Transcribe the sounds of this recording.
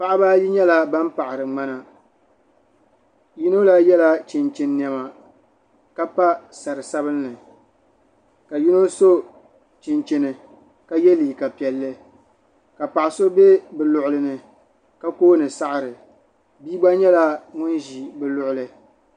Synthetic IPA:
pa˦ʔɪ˦ba˦ji˦ɲɛ˦la˦ba˦m˦pa˨ʔɪ˨ɾɨ˨ŋ͡ma˦na˨ | ji˦no˦la˦jɛ˦la˦t͡ʃɪ˨nt͡ʃɪ˨nː˨ɛ˨ma˨ | ka˦pa˦sa˨ɾɨ˨sa˦bɨ˦lnɨ˨ | ka˨ji˦no˦so˦ | t͡ʃɪ˨nt͡ʃɪ˦˨nɨ˨ | ka˦jɛ˦liː˨ka˨pi˨ɛ˨lːɨ˦ | ka˨pa˨ʔɪ˨so˦be˦bɨ˨lʊ˦ʔʊ˦lɨ˦nɨ˨ | ka˦koː˦nɨ˨sa˦ʔa˨ɾɨ˨ | biː˦ɡ͡ba˦ɲɛ˦la˦ŋʊ˦nʒi˨bɨ˦lʊ˦ʔʊ˦lɨ˦

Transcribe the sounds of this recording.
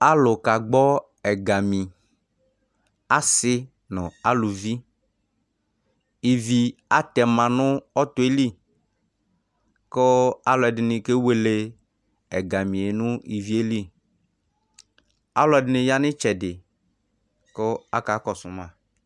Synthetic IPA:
a˦lʊ˨ka˨ɡ͡bɔ˦ | ɛ˨ɡa˨mĩ˨ | a˦sɪ˦ | nɔ̃˨a˦lu˨vi˦ | i˨vi˨a˦t̪ɛ˨mã˨nʊ̃˦ɔ˦t̪ʊ˨˦e˦li˦ | ko˦a˦lɔ˨ɛ˨dɪ˨nɪ̃˨ke˦we˨le˨ | ɛ˨ɡa˨mĩ˨e˨nʊ̃˦i˨vi˨˦e˦li˦ | a˦lʊ˨˦ɛ˨dɪ˨nɪ̃˨ja˦nɪ̃˦t͡ʃɛ˨dɪ˨ | ko˦a˦ka˨˦kɔ˨sʊ˨mã˦˨

